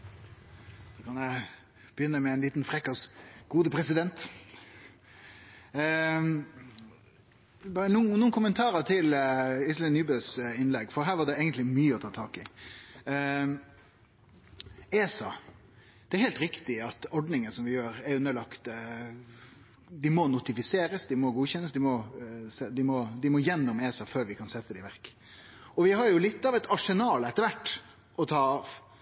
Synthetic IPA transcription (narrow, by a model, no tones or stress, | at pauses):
d̪̥oːkʰɑnjæɪ | b̥əjʏnːəmɛæɪnliːt̪nfɾɛkːɑsɡ̥uːd̪əpʰɾɛsɪd̪ɛnt̪ | bɑːɾənuːənuːənkʰʊmənt̪ʰɑːɾət̪ʰɪlɪslɛnːyːbøːsɪnlɛɡːfɔɾɦæːɾʋɑɖ̪ɛeːɡənt̪lɪmyːəɔt̪ʰɑːt̪ʰɑːkɪ | eːsɑ | d̪̥ɛæɾhɛɪlt̪ɾɪkt̪ɪɑt̪ɔɖnɪŋənsɔmʋɪjøːɾæɾʉnːəɭɑkt̪ | d̪ɪmɔnʊt̪ɪfɪseːɾəsd̪ɪmɔɡuːçɛnːəsd̪ɪmɔsɛd̪ɪmɔd̪ɪmɔjɛnːɔmeːsɑføːɾʋɪkʰɑnsɛt̪ːəd̪ɪʋæɾk | ɔʋɪɦɑɾjʊlɪt̪ːɑʋɛt̪ɑʂɛnɑːlɛt̪ːəɾʋæʈː | ʔɔt̪ʰɑːɑʋ